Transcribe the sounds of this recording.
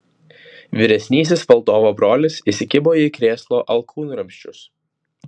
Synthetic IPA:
ʋʲɪɾʲɛsʲnʲiːs̬ʲɪsʋɐlˠd̪oːʋoːbɾoːlʲɪsisʲɪkʲɪboːjɛkɾʲeːslˠoːʔɐlˠkʰuːnːɾɐmʲʃʲt͡ʃʲʊs

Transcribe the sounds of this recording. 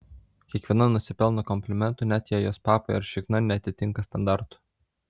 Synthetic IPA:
kʲiɛkʋʲiɛnɐnʊsʲɪpʲɛlˠnokɔmʲpʲlʲɪmʲɛnt̪unʲæt̪jɛjoːspɑːpojɐɾʃʲɪknɐnʲɛɐt̪ʲɪt̪ʲɪŋkɐst̪ɐnd̪ɑɾt̪ʊ̥

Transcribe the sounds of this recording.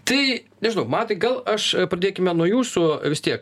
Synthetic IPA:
t̪ɐɪnʲɛʒʲɪnɐʊmɑːt̪ɐɪɡɐlˠɐʃpɾɐd̪ʲeːkʲɪmʲɛnuɔjuːsʊʋʲɪst̪ʲiɛk

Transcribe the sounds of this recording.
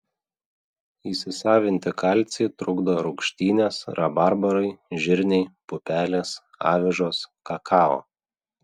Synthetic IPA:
iːsʲɪsɑːʋʲɪnʲt̪ʲɪkɑlʲt̪sʲeːt̪ɾʊɡd̪oːɾʊkʃʲt̪ʲiːnʲeːsɾɐbɑɾbɐɾɐɪʒʲɪɾʲnʲɛɪpʊpʲæːlʲeːs | ɑ̰ːʋʲɪʒoːskɐkʰɑːo̰ː

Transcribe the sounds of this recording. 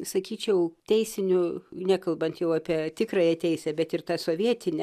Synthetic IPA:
sɐkʲiːt͡ʃʲɛʊt̪ʲɛɪsʲɪnʲʊnʲæːkɐlˠbɐnt̪jɛʊɑːpʲiɛt̪ʲɪkɾɑːjɛt̪ʲɛɪsʲɛbʲɛt̪ɪrt̪ɑːsoːʋʲiɛt̪ʲɪnʲɛ

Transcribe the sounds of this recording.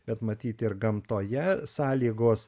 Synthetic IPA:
bʲɛt̪mɐt̪ʲiːt̪ɪrɡɐmt̪oːjɛsɑːlʲiːɡoːs

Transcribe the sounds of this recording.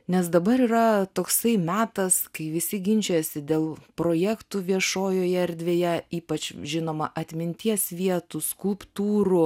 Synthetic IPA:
nʲɛs̬d̪ɐbɐɾiːɾɐt̪oːksɐɪmʲæːt̪ɐskɐɪʋʲɪsʲɪɡʲɪnʲt͡ʃʲɛsʲɪd̪ʲeːlˠpɾoːjɛkt̪uːʋʲiɛʃoːjoːjɛɛɾʲd̪ʲʋʲeːjɛiːpɐt͡ʃʒʲɪnoːmɐʔɐt̪ʲmʲɪnʲt̪ʲiɛsʋʲiɛt̪uskʊlˠpt̪uːɾʊ

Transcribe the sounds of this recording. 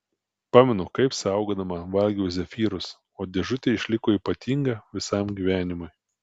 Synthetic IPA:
pɑːmʲɛnʊkɐɪpsɐˑʊɡoːd̪ɐmɐʋɐlʲɡʲiʊs̬ʲɛfʲiːɾʊs | oːd̪ʲɛʒʊt̪ʲeːɪʃʲlʲɪkoːiːˑpɐt̪ʲiŋɡɐʋʲɪsɐmɡʲiʋʲæːnʲɪmʊɪ

